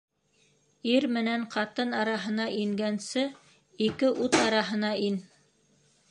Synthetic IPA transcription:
iɾmɘ̆næɴqɑt̪ɤnɑɾɑɦɤ̆nɑʔiŋɡænsɘ | ikɘʔut̪ɑɾɑɦɤ̆nɑin

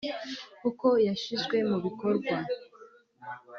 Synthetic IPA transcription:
kuko̞jaʃizɡwe̞muβiko̞ɾɡwa

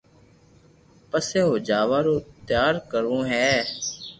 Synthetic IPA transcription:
pəseːɦoːd͡ʒaːʋaːɾoːt̪jaːɾkəɾõːɦɛː

